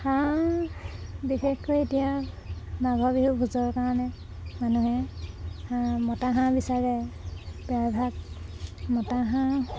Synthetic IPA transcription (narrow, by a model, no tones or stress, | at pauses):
hã | bixexkɔetija | nabʱɔbiɦubʱuzɔɹkaɹanɛ | manuɦɛhãmɔtaɦãbisaɹɛ | bɛabʱaɡ̚ | mɔtaɦã